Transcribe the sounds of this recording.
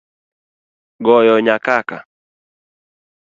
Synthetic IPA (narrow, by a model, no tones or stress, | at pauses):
ɡɔjɔɲakaka̰